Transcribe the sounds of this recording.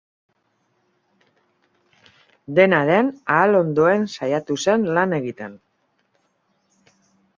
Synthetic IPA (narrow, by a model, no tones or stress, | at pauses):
d̪e̞naðenaːlo̞nd̪o̞e̞nsajat̪use̞nlane̞ɣit̪e̞n